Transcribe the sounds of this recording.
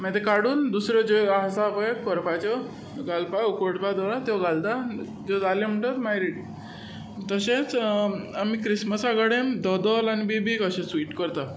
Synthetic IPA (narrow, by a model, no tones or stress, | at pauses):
mɛ̃t̪ekaɽuːnd̪usɾjɔd͡ʑeasapəjekpəɾpat͡ɕɔ | ɡalpaukoʈpad̪ɔɾat̪jɔɡald̪a | d͡ʑɔd͡zalem̤əɳʈat̪majɾiʈ̚ | t̪əɕẽt͡samikɾisməsaɡəɽemd̪ɔd̪əlanibibikəɕẽsʋiːʈkəɾt̪a